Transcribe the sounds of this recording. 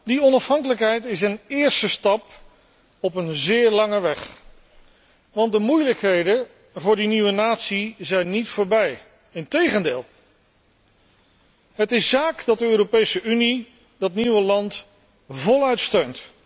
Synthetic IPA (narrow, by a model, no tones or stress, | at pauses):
diɔnɑfɦɑŋkələkɦɛjtɪsənɪːɹstəstɑp | ɔpənzɪːɹlɑŋəʋɛχ | ʋɑndəmujləkɦejdə | vʊːɹdiniʋənaːtsizɛjnːitfʊːɹbɛj | ɪntejχəndɪːlˠ | ɦətɪszaːkdɑt̚dəøːropejsəʔyni | dɑtniʋəlɑnt | vɔlˠœɥtstøɥnt